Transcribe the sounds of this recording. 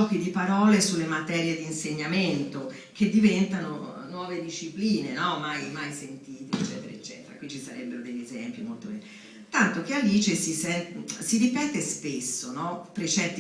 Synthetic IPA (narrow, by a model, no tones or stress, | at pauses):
ɔːkid̪ipaɾɔːlesulːemat̪ɛɾjed̪iːnseɲːament̪o | kʰed̪ːivɛnt̪anonwɔːved̪iʃːipliːnenɔmajmajsent̪iːt̪et͡ʃːɛːt̪eɾa̰et͡ʃːɛ̰ːt̪eɾa̰kwit͡ʃːisaɾɛbːeɾod̪eʎːezɛmpimolt̪obɛnːi | t̪ant̪ok̟ealiːt͡ʃesisɛnsiɾipɛːt̪espesːonɔpːɾet͡ʃɛt̪ːi